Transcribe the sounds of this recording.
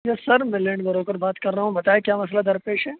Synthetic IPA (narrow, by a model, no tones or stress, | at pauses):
jasɐɾmɪlẽɳɖbɐɾoːkəɾbaːt̪kɐɾːaːɦũbɐt̪aːekjaːmɐs̬lad̪ɐɾpeːʃɦɛː